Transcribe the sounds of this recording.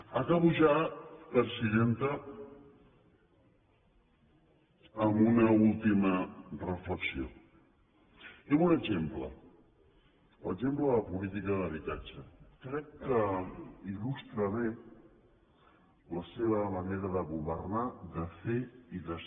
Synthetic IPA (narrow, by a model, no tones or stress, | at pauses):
akaβuʒapəɾsiðent̪ə | munəulˠt̪imərəfləksio̰ | eβunəʒemplə̰ | lə̰zempləðəəpulit̪ikəðəβit̪at͡ʃəkɾɛkːəilust̪ɾəβe | ləseβəməneɾəðəɣuβəɾnaðəfeiðə